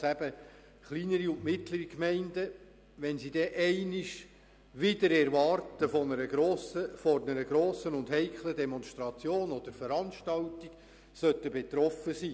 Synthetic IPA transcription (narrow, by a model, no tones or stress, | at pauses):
sæb̥ə | χliːnəɾiʊntmɪt̪ləɾikmɛɪndə | ʋɛnsid̥ɛʔɛɪnɪʃ | ʋɪdəɾɛɾʋɑrtəfɔnəɾəɡɾoːsəfɔnəɾəɡɾoːsənʊndhɛɪkʰlədɛmɔnʃt̪ɾɑt͡sjoːnɔd̥̪əɾfəɾɑnʃtɑltiɡ̥ | sœtəbet̪ɾɔfəsiː